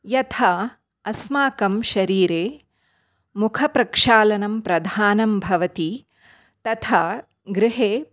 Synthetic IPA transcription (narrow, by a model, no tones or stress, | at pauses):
jɐt̪ʰaː | ɐsmaːkɐmʃɐɾiːɾeː | mukʰɐpɾɐkʂaːlɐnɐmpɾɐd̪ʱaːnɐmbʱɐʋɐt̪i | t̪ɐt̪ʰaː | ɡɾɪɦeː